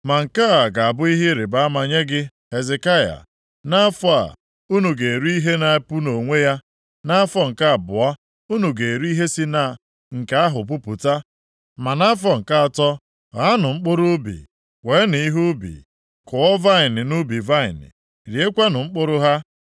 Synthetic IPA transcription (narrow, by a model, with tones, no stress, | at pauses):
ma˨ŋ̩˨ka˦a˨ɡa˨a˨bʊ˦i˦ɦɪ˦ɾe˨ba˦a˦ma˨ɲe˦ɡɪ˦ | he˨ze˨ka˦ja̰˨ | na˦fʊ˦a̰˨ | u˦nu˨ɡe˨e˨ɾu˦i˦ɦe˦na˨˦pu˦no˨ŋʷe˦ja˦ | na˦fɔ˦ŋ̩˨ka˦a˨bʊ˨a˦ | u˦nu˨ɡe˨ɾu˦i˦ɦe˦si˦na˦˨ | ŋ̩˨ka˦a˦ɦʊ˨p̬u˦pu˨ta˦ | ma˨na˦fɔ˦ŋ̩˨ka˦a˨tɔ˦ | ɣa˨˦nʊ˨ŋ͡m̩˦k͡pʊ˦ɾʊ˦bḭ˨ | we˨˦ni˨i˦ɦu˦bḭ˨ | kʊ˨ɔ˦va˦ɪ˨nɪ˨nu˦bi˨va˦ɪ̰˨nɪ̰˨ | ɾi˨e˦kʷa˦nʊ˨ŋ͡m̩˦k͡pʊ˦ɾʊ˦ɦa˦